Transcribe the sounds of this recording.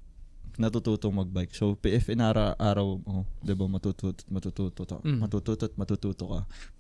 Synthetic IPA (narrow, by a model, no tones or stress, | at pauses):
nɐt̪ut̪uːt̪oŋmɐɡ̚bajksopiʔɛfʔɛnʔaːɾɐʔaːɾɐwod̪ɛbɐmɐt̪uːt̪uːt̪o̥t̪̚mɐt̪ut̪uːt̪ot̪o̰mɐt̪uːt̪uːt̪ot̪̚mɐt̪ut̪uːt̪okɐ